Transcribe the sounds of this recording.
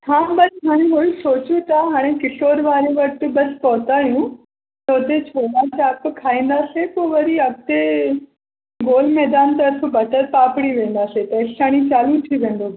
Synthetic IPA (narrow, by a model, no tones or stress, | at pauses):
hãːɓɐɾiɦaːɽ̃eɦoisoːt͡ɕut̪aɦaːɽ̃ẽkɪɬoːɾʋaːɾeʋɐʈɪ̆ɓɐspɔɦt̪aːɦijũ | t̪ʰoːt̪et͡ɕʰoːnat͡ɕaːpkʰaːĩːn̆d̪aːsepoːʋɐɾiɐɡ̚t̪e | ɡoːlmɛːd̪aːnt̪ɐɾfbɐʈəɾpaːpɪɽ̃iʋẽːn̆d̪aːset̪ɐɪɬaːɽ̃it͡ɕaːlut̪ʰiʋẽːn̆d̪oː